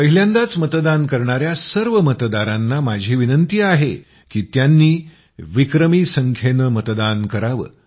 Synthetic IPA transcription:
pəɦiljãnd̪at͡smət̪d̪ankəɾɳaɾjasəɾʋəmət̪d̪aɾanːamad͡ʑʱiːʋinənt̪iːaɦe | kiːt̪janːiː | ʋikɾəmiːsəŋkʰenəmət̪d̪ankəɾaʋə̰ː

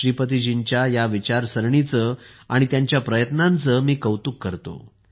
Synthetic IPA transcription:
ɾipət̪̬id͡ʑiɲt͡ɕjajaʋit͡ɕaɾsəɾɳit͡sə | a̰ɽ̃it̪jaɲt͡ɕjapɾəjət̪nãnt͡səmiːkəwt̪uːkːəɾt̪o̰

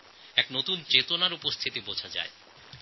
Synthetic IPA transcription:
ɛknot̪unt͡ɕet̪onaɾupost̪ʰit̪ibot͡ɕʰad͡ʑa̰e

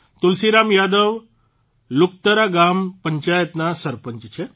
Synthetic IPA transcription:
t̪ʊlsiɾamjad̪əʋ | lʊk̚t̪əɾaɡampəɲt͡ʃajət̪nasəɾpəɲt͡ʃt͡ʃʰe

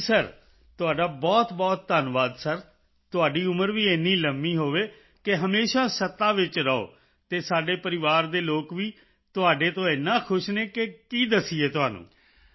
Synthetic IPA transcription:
səɾ | t̪ʊaːɖaːbɔːt̪bɔːt̪̚ːəːnʋaːd̪səɾ | t̪ʊaːɖiːʊməɾʋiːeːnːiːləmːiːɦoːʋeː | kɪɦəmeːʃaːsət̪ːãːʋɪt͡ʃɾəo̰ː | t̪eːsaːɖeːpəɾɪʋaːɾd̪eːloːkʋiː | t̪ʊaːɖeːt̪õːɪnːãːkʰʊʃneːkekiːd̪əsiːeːt̪ʊɦaːnṵ̃ː

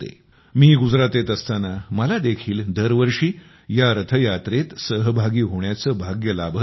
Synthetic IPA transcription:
t̪ḛ | miːɡud͡zɾat̪et̪əst̪anaməlad̪ekʰiːld̪əɾʋəɾʂiː | jaɾət̪ʰəjat̪ɾet̪səɦəbʱaɡiːɦoɳjat͡səbʱaɡjəlabʱə

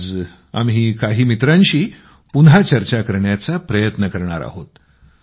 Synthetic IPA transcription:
d͡z | a̰mɦiːkaɦiːmit̪ɾãnɕiː | punɦat͡ɕəɾt͡ɕakəɾɳjat͡sapɾəjət̪nəkəɾɳa̰ɾa̰ɦot̪

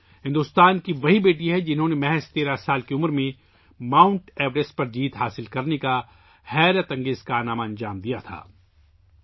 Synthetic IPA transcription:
ɦɪ̃nd̪ʊst̪aːnkiʋɐɦibeːʈ̬iɦɛd͡ʒɪnɦõnemɛɦɛst̪eːɾasaːlkeʊmɾmẽ | mãːʊ̃ɳʈɛːʋɾesʈ̚pɐɾd͡ʒiːt̪ɦaːsɪlkɐɾneka | hɛːɾət̪ɐ̃ŋɡeːzkaːnaːmaɐ̃nd͡ʒaːmd̪ijat̪ʰa̰ː

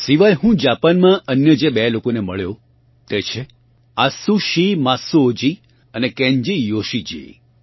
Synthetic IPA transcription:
siʋajɦũd͡ʒapanmãənjəd͡ʒebɛlokoneməɭjo | t̪et͡ʃʰe | asuʃimasoːd͡ʒi | ənekɛ̃ɲd͡ʒijoʃid͡ʒḭ

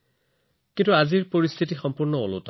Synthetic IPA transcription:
kĩntuaziɹpoɹist̪ʰitixɔmpuɹnɔo̰lo̰ta

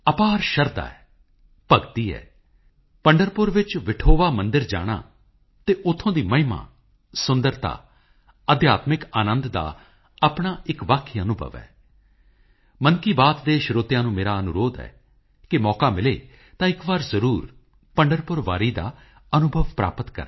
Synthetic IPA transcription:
əpaːɾʃəɾd̪a̰ːɛː | pəɡt̪iːɛ̰ː | pəɳɖəɾpʊɾʋɪt͡ʃʋɪʈʰoːʋaːmənd̪ɪɾd͡ʒa̰ːɽ̃a̰ː | t̪eːʔʊt̪ʰːõːd̪iːməɦɪma̰ː | sʊ̃nd̪əɾt̪a̰ː | əd̪jaːt̪mɪkaːnə̃nd̪d̪a̰ː | apɳaːɪkʋaːkʰːiːənʊbʱə̰ʋɛ̰ː | mənkiːbaːt̪d̪eːʃɾoːt̪ɪjãːnũːmeːɾaːənʊɾoːd̪ɛ̰ː | kɪmɔːkaːmɪlḛː | t̪ãːɪkʋaːɾzəɾuːɾ | pəɳɖəɾpʊɾʋaːɾiːd̪a̰ː | ənʊbʱəʋpɾa̰ːpət̪kə̰ɾ

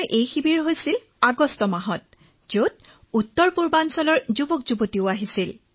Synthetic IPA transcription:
ɹʔejxibiɹɦojsil | aɡɔstɔmaɦɔt̚ | zot̚ | utːɔɹpuɹbansɔlɔɹzubɔkzubotiʊaɦisil

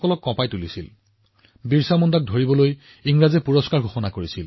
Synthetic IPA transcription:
kɔlɔkːɔ̃pajtulisil | biɹsamɔndak̚dʱoɹibɔloj | iŋɹazɛpuɹɔskaɹɡʱoxɔnakoɹisil

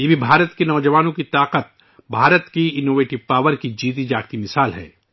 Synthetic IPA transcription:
jebʱibʱaːɾət̪kenɔːd͡ʒəʋaːnõkit̪aːqət̪̚ | bʱaːɾət̪kiɪnoːʋeːʈɪʋpaːʋəɾkid͡ʒiːt̪̬id͡ʒaːkt̪imɪsaːlɦɛ̰ː

